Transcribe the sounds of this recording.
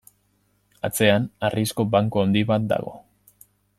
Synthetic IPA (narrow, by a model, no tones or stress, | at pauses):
at͡se̞anarisko̞baŋkoond̪iβat̪̚d̪a̰ɣo̞̰